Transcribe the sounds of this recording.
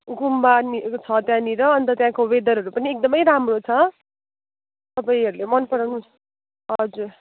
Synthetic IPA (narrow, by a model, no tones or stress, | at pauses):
ɡumbanit͡sʰʌt̪jãniɾʌʌnt̪ʌt̪jãkoβed̪ʌɾɦʌɾupʌniek̚d̪ʌmʌjɾamrot͡sʰʌ | t̪ʌpaĩɦʌɾulemʌnpʌɾanu | ɦʌd͡zur